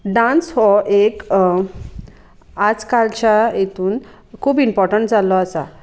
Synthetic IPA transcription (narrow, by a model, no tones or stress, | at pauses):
ɖãnsɦɔek | ad͡zkalt͡ɕajet̪ʰuːn | kʰuːbimpɔɾʈəɳʈd͡zalɔasa